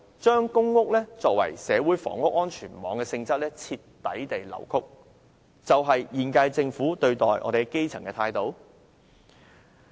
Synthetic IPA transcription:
t͡ʃœː˥ŋkʊ˥ŋːʊ˥k̚lɛː˥t͡sɔː˧k̚wɐ̰˨˩jsɛː˨˧wuː˨˥jfɔ̰ː˨˩ŋːʊ˥k̚ːɔː˥nt͡ʃʰyː˨˩nmɔ̰ː˨˧˥ŋkɛː˧sɪ˧ŋt͡sɐ˥k̚lɛː˥t͡sʰi˧tːɐ˨˥jt̪e˨jlɐ̰˨˩wkʰʊ˥k̚ | t͡sɐ˨wɦɐ˨jjiː˨˩nka˧jt͡sɪ˧ŋfuː˨˥t̪ɵ˧ɥt̪ɔː˨jʔɔ̰ː˨˧ɾe˨˩ɛ˥ke˥jt͡sʰɐ˨˩ŋkɛː˧t̪ʰaː˧jt̪o˨˥w

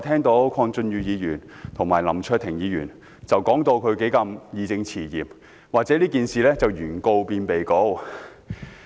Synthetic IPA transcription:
t̪ʰɛː˥ŋt̪o˨˥wkʰɔː˧ŋt͡sɵ˧njyː˨˧jiː˨˧jyː˨˩nt̪ʰʊ˨˩ŋmaː˨˩lɐ˨˩mt͡ʃʰœː˥˧t̚t̪ʰɪ˨˩ŋjiː˨˧jyː˨˩n | t͡sɐ˨wkɔː˨˥ŋt̪o˧wkʰɵ˨˧ke˨˥jkɐ˧mjiː˨˧t͡sɪ˧ŋt͡sʰiː˨˩jiː˨p̚ | waː˨k̚t͡sɛː˨˥liː˥kiː˨nsiː˨lɛː˥t͡sɐ˨˩wjyː˨˩nko˧wpiː˧npe˨jko˧˥w

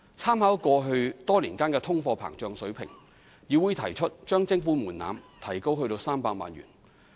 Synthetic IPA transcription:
t͡sʰaː˥mhaː˨˥wkʷɔː˧ɦɵ˧ɥt̪ɔː˥liː˨˩nkaː˥nkɛː˧t̪ʰʊ˥ŋfɔː˧pʰa̰ː˨˩ŋt͡ʃœː˧ŋsɵ˨˥ɥpʰɪ˨˩ŋ | ji˨˧wuː˨˧jt̪ʰɐ˨˩jt͡ʃʰɵ˥t̚t͡ʃœː˥ŋt͡sɪ˧ŋfuː˨˥muː˨˩nːa̰ː˨˧mt̪ʰɐ˨˩jko˥wɦhɵ˧ɥt̪o˧wsaː˥mpaː˧k̚ma̰ː˨˧njy̰ː˨˩n

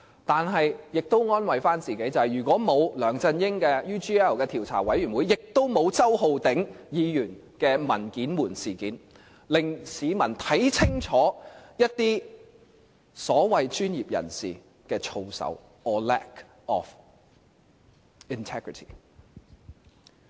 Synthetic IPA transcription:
t̪aː˨nɦɐ˨jjɪ˨k̚t̪o˥wŋɔː˥nwɐ˨jfaː˥nt͡siː˨ke˨˥jt͡sɐ˨˧hɐ˨jɥyː˨˩kwʷɔː˨˥mo˨˧wlœː˨˩ŋt͡sɐ˧njɪ˥ŋkɛː˧jyː˥t͡ʃiː˥ɛː˥˩wkɛː˧t̪ʰiː˨˩wt͡sʰa̰ː˨˩wɐ˨˥jyː˨˩nwuː˨˧jɪ˨k̚t̪o˥wmo˨˧wt͡sɐ˥who˧wt̪ɪ˨˥ŋjiː˨˧jyː˨˩n | kɛː˧mɐ˨˩nkiː˨˥nmuː˨˩nsiː˨˩kiː˨n | lɪ˨ŋsiː˨˧mɐ˨˩nt̪ʰɐ˨˥jt͡sʰɪ˥ŋt͡ʃʰɔː˨˥jɐ˥t̚t̪iː˥ | sɔː˨˥wɐ˨jt͡ʃyː˥njiː˨p̚jɐ̰˨˩nsḭː˨ | kɛː˧t͡ʃʰo˧wsɐ̰˨˥w | ɔː˨lɛ̰˥k | ɔ˨f | i˨nt̪ʰɛː˥ɡɹi˨tʰi̥̰˨

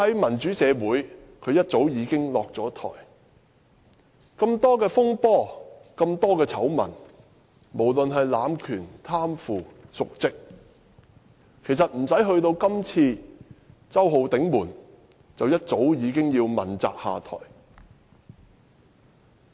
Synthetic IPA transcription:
hɐ˨˥jmɐ˨˩nt͡syː˨˥sɛː˨˧wuː˨˥jkʰɵ˨˧ɥjɐ˥t̚t͡so˨˥wjiː˨˧kɪ˥ŋlɔː˨k̚t͡sɔː˨˥t̪ʰɔ̰ː˨˩j | kɐ˧mt̪ɔː˥kɛː˧fʊ˥ŋpɔː˥˩kɐ˧mt̪ɔː˥kɛː˧t͡sʰɐ˨˥wmɐ̰˨˩n | mo˨˩wlɵ˨nɦɐ˨jlaː˨˧mkʰyː˨˩nt̪ʰaː˥mfuː˨sʊ˨k̚t͡sɪ˥k̚ | kʰe˨˩jsɐ˨t̚m̩˨˩sɐ˨˥jɦɵ˧ɥt̪o˧wkɐ˥mt͡sʰiː˧ | t͡sɐ˥wɦo˨˧wt̪ɪ˨˥ŋmuː˨˩n | t͡sɐ˨wjɐ˥t̚t͡so˨˥wjiː˨˧kɪ˥ŋjiː˧wmɐ˨˩nt͡sa̰ː˨˧k̚haː˨t̪ʰɔ̰ː˨˩j

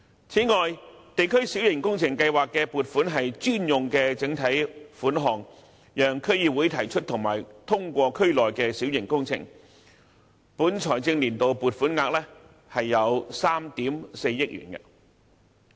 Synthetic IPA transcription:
t͡sʰiː˨˥ŋɔː˨jt̪e˨jkʰɵ˥ɥsi˨˥wjɪ˨˩ŋkʊ˥ŋt͡sʰɪ˨˩ŋkɐ˧jwaː˨˩kːɛː˧puː˨˩t̚fuː˨˥nɦɐ˨jt͡ʃyː˥njʊ˨ŋkɛː˧t͡sɪ˨˥ŋt̪ʰɐ˨˥jfuː˨˥nɦɔː˨ŋ | jœː˨ŋkʰɵ˥ɥjiː˨˧wu˨˥jt̪ʰɐ˨˩jt͡ʃʰɵ˥t̪̚ʰʊ˨˩ŋma̰ː˨˩jt̪ʰʊ˥ŋkʷɔː˧kʰɵ˥ɥlɔː˨jkɛː˧siː˨˥wjɪ˨˩ŋkʊ˥ŋt͡sʰɪ̰˨˩ŋ | puː˨˥nt͡ʃʰɔː˨˩jt͡sɪ˧ŋliː˨˩nt̪o˨wpuː˨t̚fuː˨˥nŋaː˧k̚lɛː˥ | hɐ˨jːɐ˨˧wsaː˥mt̪iː˨˥mse˧jːɪ˥k̚jy̰ː˨˩nkɐ̰˧

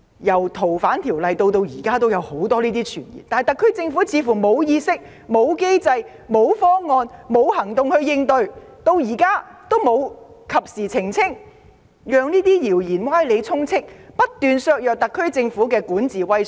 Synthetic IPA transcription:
jɐ˨˩wt̪ʰo˨˩wfaː˨˥nt̪ʰiː˨˩wlɐ˨jt̪o˧wt̪o˧wjiː˨˩kaː˥t̪o˥wjɐ˨˧who˨˥wt̪ɔː˥liː˥t̪iː˥t͡ʃʰyː˨˩njḭː˨˩nt̪aː˨jt̪ɐ˨˩kʰːɵ˥ɥt͡sɪ˧ŋfu˨˥t͡sʰiː˨˧fuː˨˩mo˨˧wjiː˧sɪ˥k̚ | mo˨˧wke˥jt͡sɐ˧j | mo˨˧wfɔː˥ŋːɔː˧nmo˨˧whɐ˨˩ŋt̪ʊ˨˧ŋhɵ˧ɥjɪ˧ŋt̪ɵ˧ɥt̪o˧wjiː˨˩kaː˥t̪o˥wmo˨˧w | kʰɐ˨p̚siː˨˩t͡sʰɪ˨˩ŋt͡sʰɪ˥ŋ | jœː˨˧ŋniː˥t̪iː˥jiː˨˩wjiː˨˩nwaː˥jle˨˧jt͡sʰʊ˥ŋt͡sʰɪ˥k̚pɐ˥t̚t̪ːyː˨˧nsœː˧k̚jœː˨k̚t̪ɐ˨kʰːɵ˥ɥt͡sɪ˧ŋfuː˨˥kɛː˧kuː˨˥nt͡siː˨wɐ˥j

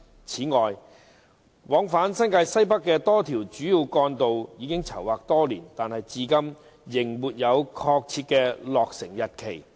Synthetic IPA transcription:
t͡sʰiː˨˥ŋɔː˨j | wɔː˨˥ŋfaː˨˥nsɐ˥nŋkaː˧jsɐ˥jpɐ˥kːɛː˧t̪ɔː˥t̪ʰiː˨˩wt͡ʃyː˨˥ji˧wkɔː˧nt̪o˨wjiː˨˧kɪ˥ŋt͡sʰɐ˨˩waː˨k̚t̪ɔː˥liː˨˩nt̪aː˨nhɐ˨jt͡siː˧kɐ˥m | jɪ˨˩ŋmuː˨t̚jɐ˨˧wkʰɔː˧k̚t͡sʰiː˧t̚kɛː˧lɔː˨k̚sɪ˨˩ŋjɐ˨t̚kʰe˨˩j

